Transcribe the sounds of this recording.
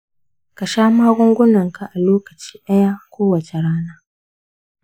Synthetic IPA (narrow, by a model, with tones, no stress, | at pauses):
kɐ˨ʃaː˦maː˦ɡʷʊ˦ŋɡʷʊ˦nɐ˨ŋkʰa˨ʔa˨loː˦kɐ˨t͡ʃi̥ː˦ɗɐ˦jaː˦kʰʷoː˦wɐ˨t͡ʃe˨ɽaː˦naː˦